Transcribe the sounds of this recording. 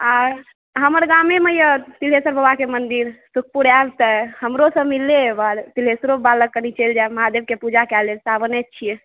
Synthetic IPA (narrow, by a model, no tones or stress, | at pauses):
a | ɦəməɾɡameməjət̪ilɦesəɾbəbakemənd̪iɾsuk̚ʰpuɾabt̪əhəmɾosə̃milːebaɾt̪ilɦesɾobaləɡ̚kːənit͡ʃeld͡ʒaeməɦad̪eb̚kepud͡ʒakɛlesabənet̪̚ːt͡ʃʰije